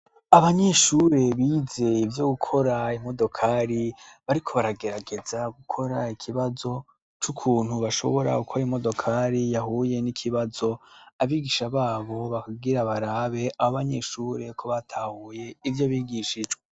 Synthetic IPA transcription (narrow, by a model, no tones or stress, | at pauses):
aβaɲe̞ʃuɾe̞βiːze̞ivjo̞ɡukʰo̞ɾaimo̞do̞kʰaɾiβaɾikʰo̞βaɾaɡe̞ɾaɡe̞zaɡukʰo̞ɾaikʰiβazo̞ | t͡ʃukʰuːn̥huβaʃo̞̰βo̞ɾa̰ukʰoɾimo̞do̞kʰaɾijaɦuje̞nikʰiβazo̞aβiːɡiʃaβaːβo̞βakaɡiɾaβaɾaβe̞ʔaoβaɲe̞ʃuːɾe̞kʰo̞βatʰaːhuje̞ivjo̞βiːɡiʃid͡ʒɡwe